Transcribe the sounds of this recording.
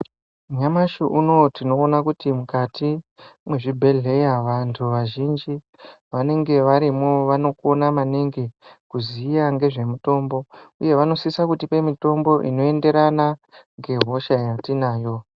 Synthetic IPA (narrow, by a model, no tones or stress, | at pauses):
ɲamaʃuʔuno̞tino̞ːnakutimukatʰimwe̞ʐibʱe̞ɮe̞jaʋantʰuʋaʒind͡ʒi | ʋane̞ŋɡe̞ʋaɾimoʋano̞ko̞namaneŋɡekuzijaŋɡe̞ʐe̞muto̞mbo̞uje̞ʋano̞sisakutipe̞mito̞mbo̞ʔḭno̞e̞nde̞ɾanaŋɡe̞ɦo̞ʃajatinaːjo̞